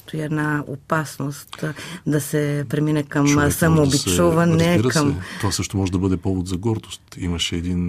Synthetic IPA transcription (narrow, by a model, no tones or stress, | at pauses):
t̪oiɛd̪nao̰pasnost̪d̪asɛpɾɛminɛkɐmsamoːbisuvɐnɛɾkamt̪ovasɤʃt̪omɔʒɛd̪ɐbɤd̪ɛpɔvod̪zɐɡɔɾd̪ost̪imɐʃɛːd̪in